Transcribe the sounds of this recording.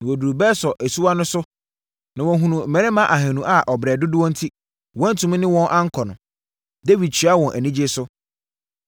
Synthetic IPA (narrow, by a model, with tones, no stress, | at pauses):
nã˨wo˨du˨ɾu˨bɛː˦sɔ˨ʔæ˨su˦a˦nʊ̃˦sʊ˦ | nã˨wɔ̃˨ɦũ˨nũ˨mɛ̃˨ɾɛ̃˦mã˦ʔa˨ɦɛ̃˨nũ˨ʔa˦ʔɔ˨bɾɛː˨dʊ˦dʊ˦wɔ̃˦n̩˦tʰi˦ | wɔ̃˦n̩˦tʰũ˨˦m̃˦nɪ̃˦wɔ̃˦nʔã˦ŋ̩˦kʰɔ˨nʊ̃˨ | de˦vi˨d̚t͡ɕʰi˨˦a˦wɔ̃˨nʔæ˨nĩ˦d͡ʑɪ˦sʊ˦